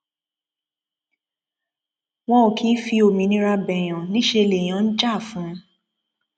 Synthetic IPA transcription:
wɔ̃˦o˨kʰĩ˨˦fi˧o˨mĩ˨nĩ˦ɾa˧bɛ˨j̃ã˨nĩ˨˦ʃe˧le˨j̃ã˨˦n̩˦d͡ʒa˦˨fũ˨˦

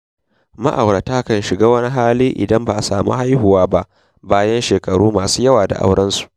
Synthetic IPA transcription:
ma̰˦ʔa˨wɾɐ˨taː˦kɐ˦˨nʃɪ˨ɡaː˦wɐ˦ni˦ɦaː˦liː˦ʔɪ̰˨dɐ˦mba˨ʔa˨saː˨mṵː˦ha˦jɦʊ˨waː˦ba˦ʔ | baː˦jɐ˦nʃeː˨kɐ˨ɽuː˦maː˨suː˦jɐ˦waː˨da̰˨ʔa̰˦wɽɐ˦nsu̥˨ʔ

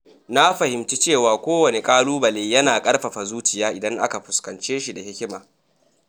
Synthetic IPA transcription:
na˦ɸɐ˨hɪ˨mt͡ʃi˦t͡ʃeː˦˨waː˨kʷoː˦wɐ˨ne˨kʼaː˦luː˦bɐ˨leː˨jɐ˦naː˨kʼɐ˦rɸɐ˨ɸa˨zuː˦t͡ʃɪ˨jaː˦ʔɪ˨dɐ˦ŋʔa˦ka˨ɸʊ˨skɐ˨nt͡ʃeː˦ʃi˨da˨hɪ˦kʲɪ˦maː˨

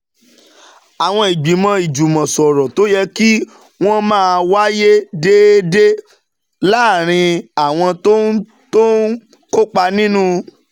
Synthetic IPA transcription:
a˨w̃ɔ̃˧i˨ɡ͡bi˨˦mɔ̃˧i˨d͡ʒu˨mɔ̃˨sɔ˨ɾɔ˨to˨˦jɛ˧ki˦ | w̃ɔ̃˦mãː˦˧wa˦je˦de˦de˦ | laː˦˨ɾ̃ĩ˧a˨w̃ɔ̃˧to˦ | to˦n | ko˦k͡pa˧nĩ˦nũ˦

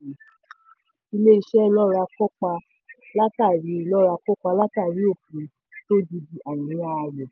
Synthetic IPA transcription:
i˧le˦i˧ʃɛ˦˧nɔ̃˦ɾa˧kɔ˦k͡pa˧ | la˦ta˦˨ɾi˨˦lɔ̃˦˧ɾa˧kɔ˦k͡pa˧la˦ta˦˨ɾi˨˦o˦˨pu˨ | to˦di˧di˨˦ʔa˨wĩ˨˦a˦˧jɛ˨

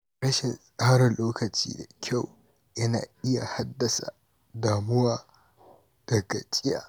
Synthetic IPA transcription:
ɽɐ˦ʃɪ˨nsʼaː˦ɽɐ˨nloː˦kɐ˨t͡ʃḭː˦da˨kʲʰa˦˨w | jɐ˦na̰ː˨ʔɪ˦ja̰˨ha˦dːɐ˨sa̰˨ | daː˨mʊ˦waː˨ | d̥ɐ˨ɡɐ˨t͡ʃʼɪ˦ja̰ː˨

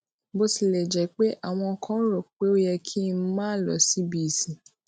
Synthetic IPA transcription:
bo˧si˨lɛ˨d͡ʒɛ˨k͡pe˦ʔa˨w̃ɔ̃˧ɔ˧kʰã˦ɾɔ˨k͡pe˨˦o˦jɛ˧kʰi˦n̩˦mãː˦˨lɔ̰˨si˨˦bi˦˨sĩ˨

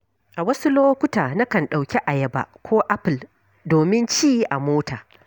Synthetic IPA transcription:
ʔa˨wɐ˦su˦loː˦kʷʊ˦taː˨na˦kɐ˨nɗa˨wkʲi˦ʔa˨jɐ˦ba̰˨kʷoː˦ʔa˦pɪ˨l | doː˨mɪ˦nt͡ʃiː˦ji˦ʔa˨moː˦taː˨

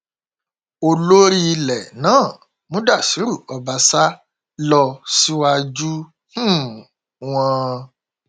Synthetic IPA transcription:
o˧lo˦ɾi˦˧lɛ˨nãː˦˨ | mũ˨˦da˦˨si˨˦ɾu˦˨ɔ˧ba˧sa˦ | lɔ˧si˦wa˧d͡ʒu˦ | hũ˦˨ | w̃ɔ̃˧

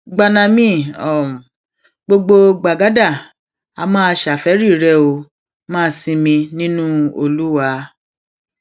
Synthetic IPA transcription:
ɡ͡ba˧nã˧mĩ˦˨ɔ̃˨ | ɡ͡bo˧ɡ͡bo˧ɡ͡ba˨ɡa˨˦da˦˨ | a˧mãː˦˧ʃa˨fɛ˨˦ɾi˦˨ɾɛ˦˨o˧ | mãː˦˧sĩ˧mĩ˧nĩ˦nũ˦o˧lu˦wa˧

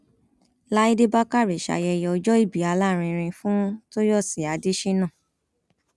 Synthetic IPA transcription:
la˦i˦de˦ba˦ka˦˨ɾi˨ʃa̰˧˨jɛ˧jɔ˧ɔ˧d͡ʒɔ˦i˦˨bi˨a˨˧la˦˨ɾ̃ĩ˧ɾ̃ĩ˧fũ˦to˦jɔ˦˨si˨a˨˦de˦ʃi˦nã˦˨

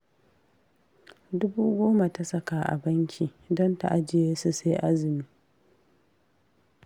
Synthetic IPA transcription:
dʊ˦buː˦ɡʷoː˦ma˨ta˦sɐ˦kaː˨ʔa̰˨bɐ˦ŋkʲʰiː˨ | dɔ˦nta̰˨ʔa˦d͡ʒɪ˨jeː˦su˨se˦ʔa˦zɪ˨miː˦

